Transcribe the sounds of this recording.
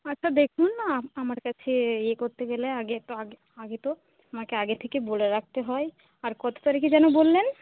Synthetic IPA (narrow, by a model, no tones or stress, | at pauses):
atːɕʰad̪ekʰunːaamaɾkat͡ɕʰeekoɾt̪eɡeleaɡet̪oaɡe | aɡet̪o | amakeaɡet̪ʰekeboleɾak̚ʰt̪eɦɔe | aɾkɔt̪o̥t̪aɾekid͡ʑɛnobolːen